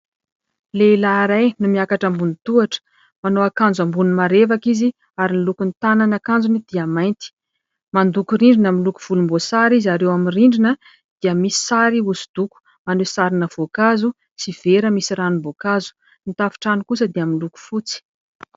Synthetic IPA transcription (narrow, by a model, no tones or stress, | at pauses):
leilaɾajnumiakaʈ͡ʂambunit̪uaʈ͡ʂə̥ | manoakand͡zambunumaɾevakizi | aɾinilukunit̪ananakand͡zunid̪̥iamajnt̪i̥ | mand̪ukuɾiɳɖ͡ʐinamilukuv̥ulumbosaɾizaɾewaminriɳɖ͡ʐinə | d̪̥iəmisi̥saɾiusu̥d̪̥uku̥ | manusaɾinəv̥okazu | siv̥eɾəmisiɾanumbokazu̥ | nit̪afi̥ʈ͡ʂanikusəd̪iamiluku̥fut͡si̥